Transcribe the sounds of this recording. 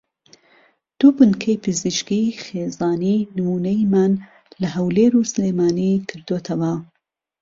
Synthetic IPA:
d̪̥ubɨnkʰɐjpʰɨzɨʃkixeːzɑːninɨmuːnɐjimaːn | lɐɦɐwleːɾuːsleːmaːnikʰɨɾd̪oːt̪ʰɐwɐ

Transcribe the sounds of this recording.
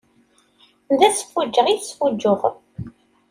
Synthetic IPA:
nd̪æt͡sːə̥fud͡ʒːəʁiθsfud͡ʒːʊʁ

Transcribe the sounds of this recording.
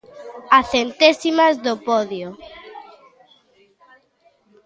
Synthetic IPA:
aθent̪esimazðopɔðjo

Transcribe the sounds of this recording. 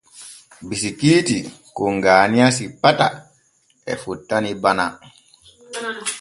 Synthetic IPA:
bisikiːti | kɔŋɡaːnijasipata | ɛ̰futːanibana

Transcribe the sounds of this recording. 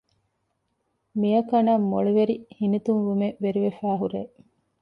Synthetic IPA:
mijɐkɐnɐmːoɭuʋeɾihinit̪unʋumeʋeɾiʋefæːɦuɾeː

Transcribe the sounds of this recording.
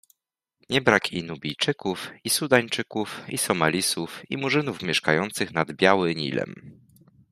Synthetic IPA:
ɲɛbɾakʰinubʲijt͡ʂɘkufisud̪aɲt͡ʂɘkufḭsɔmalʲisufḭmuʐɘnufmʲjɛʂkajɔnt̪sɘxnad̪bʲjawɘɲḭlɛ̰m

